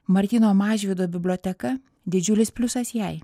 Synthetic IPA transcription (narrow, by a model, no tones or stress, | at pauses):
mɐɾʲt̪ʲiːnoːmɑːʒʲʋʲɪd̪oːbʲɪbʲlʲoːt̪ʲɛkɐ | d̪ʲɪd͡ʒʲʊlʲɪspʲlʲʊsɐsjɛɪ